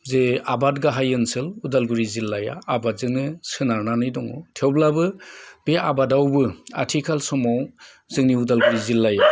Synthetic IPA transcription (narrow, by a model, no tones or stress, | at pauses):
zeabatɡaɦajɯnsɯludalɡuɾizilːaja̰ːbazɯŋnisɯnaɾnanɯjdɔŋɔtʰewblabɯb̥ea̰badawbɯa̰tʰikʰalsɔmaw | zɯŋniudalɡuɾizilːaja